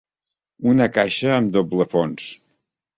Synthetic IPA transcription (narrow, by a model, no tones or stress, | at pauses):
unəkaʃəːmd̪obləfons